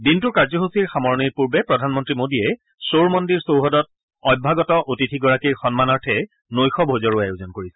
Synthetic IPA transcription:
dintʊkaɹzɔɦusiɹxamɔɹɔniɹpuɹbɛpɹɔdʱanmɔntɹimodiɛ | soɹmɔndiɹsowɦɔdɔt̚ | ɔbʱaɡɔtɔʔotitʰiɡɔɹakiɹxɔnmanɔɹtʰɛ | nojxɔbʱozɔɹuajuzɔnkoɹisɛ

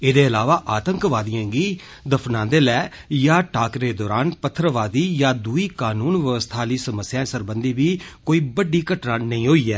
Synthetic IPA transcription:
eːd̪eːəlaːʋaːʔaːt̪əŋkʋaːd̪ɪjãːɡiː | d̪əpʰnãːd̪eːlɛː | jaːʈaːkɾeːd̪ɔːɾaːnpət̪ʰːɾəʋaːd̪iːjaːd̪uːiːkaːnuːnʋəʋəst̪ʰaːliːsəməsːjãːsəɾbənd̪iːʋiːkoːiːbəɖiːkəʈnãːnəĩːɦoːiːɛː

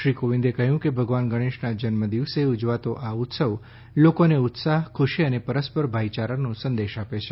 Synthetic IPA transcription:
ʃɾikoʋĩnd̪ekəɦjũkebʱəɡʋanɡʱəɽ̃eʃnad͡ʒənməd̪iʋseʊd͡ʒʋat̪oʔaʊt̪səʋ | lokoneʊt̪saɦkʰʊʃiənepəɾəspəɾbʱait͡ʃaɾanũsənd̪eʃapet͡ʃʰe

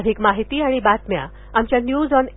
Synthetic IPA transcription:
d̪ʱikmaɦit̪iːaɽ̃ibat̪mja̰ | amt͡ɕjanjuːd͡zɔn

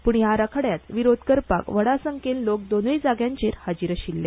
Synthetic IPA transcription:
puɳjaɾakʰəɽjat̪ʋiɾod̪ʱkəɾpa̰kʋəɽasəŋkellok̚d̪onəjd͡zaɡjãɲt͡ɕeɾhad͡ʑiɾəɕilːe

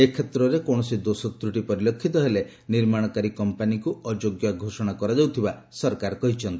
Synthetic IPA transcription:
ekʰːet̪ɾɔɾekoɽ̃ɔsid̪osɔt̪ɾuʈipɔɾilɔkʰːit̪ɔɦele | niɾmaɽ̃ɔkaɾikɔmpanikuɔd͡ʒoɡjɔɡʱosɔɽ̃akɔɾad͡ʒawt̪ʰiba | sɔɾkaɾɔkɔɦit͡ʃʰɔnt̪i

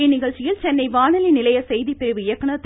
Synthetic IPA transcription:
enɪɣɐɭt͡ʃːɪjɪlt͡ʃɛnːɐɪʋaːɳɐlinɪlɐjɐsɛjðipːɪɾɯʋɯɪjɐkːɐɳɐt̪ː

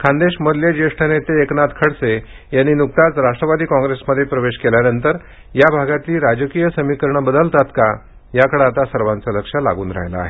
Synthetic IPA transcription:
kʰãnd̪eɕməd̪ljed͡ʑeʂʈʰanet̪eːknat̪kʰəɽse | janːiːnuk̚t̪at͡sɾaʂʈɾəʋad̪iːkɔ̃ŋɡɾesməd̪ʱːjepɾəʋeɕkeljanənt̪əɾ | jabʱaɡat̪liːɾad͡ʑəkijəsəmikəɾɳəbəd̪əlt̪at̪ka | jakəɽeat̪asəɾʋãnt͡sələkʂəla̰ɡuːnɾa̰ɦjla̰ːɦe

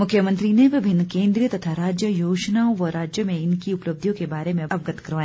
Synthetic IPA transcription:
mʊkʰːjəmə̃nt̪ɾineʋɪbʱɪnːkẽːnd̪ɾijət̪ɐt̪ʰaɾaːd͡ʒjəjoːd͡ʒnaõʋɔɾaːd͡ʒjəmẽɪnkiʊplɐb̚d̪ʱjõkebaːɾemẽɐʋɡət̪kɐɾʋaːj

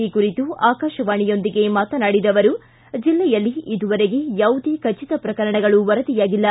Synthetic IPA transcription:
ikuɾit̪uaːkaːʃɐʋaːɳijo̞nd̪iɡe̞maːt̪ɐnaːɽid̪ɐʋɐɾu | d͡ʒilːɛjɐlːiid̪uʋɐɾe̞ɡe̞jɐwd̪ʱikɐt͡ʃit̪ɐpɾɐkɐɾɐɳɐɡɐɭuʋɐɾɐd̪ijaːɡilːɐ

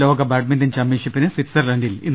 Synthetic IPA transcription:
oːɡɐbaːʈmindɐnt͡ɕɐmːiːʂɐpːinɨsiʈsɐrlɐɳɖilḭnː

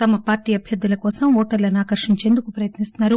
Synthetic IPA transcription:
t̪ɐmɐpaːɾʈiːɐbʱjɐd̪ːulɐkɔːsɐmɔːʈɐɾlɐniaːkɐɾʂiɲt͡ʃe̞ːnd̪ukupɾɐjɐt̪nist̪unːaːɾu

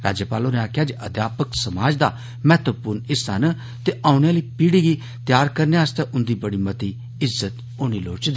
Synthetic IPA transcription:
ɾaːd͡ʒeːpaːloːnẽaːkʰjaːd͡ʒʔəd̪jaːpəksəmaːd͡ʒd̪aː | mɛːt̪əpʊɾnɪsən | t̪eːʔaːʊnjãːliːpiːɽiːɡiː | t̪jaːɾkəɾneaːst̪eːʔʊ̃nd̪iːbəɽiːmət̪iː | ɪzːət̪ | oːniːloːɽt͡ʃd̪

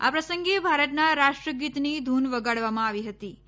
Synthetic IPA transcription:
a̰pɾəsəŋɡebʱaɾət̪naɾaʂʈɾəɡit̪nid̪ʱunʋəɡaɽʋamãaʋiɦət̪i

